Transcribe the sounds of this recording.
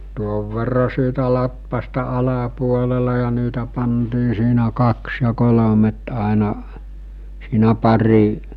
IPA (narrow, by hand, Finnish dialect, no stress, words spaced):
tuoʋ ʋerːɑ siːtæ lɑtʋɑstɑ ɑlɑpuolelɑ jɑ niːtæ pɑntiː siːnæ kɑks jɑ kolomet ɑˑenɑ siːnæ pɑri